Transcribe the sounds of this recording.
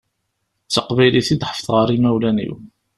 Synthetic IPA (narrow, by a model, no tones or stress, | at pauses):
t͡səqbæjliθid̪ħə̥fθʁəɾimæwlænḭw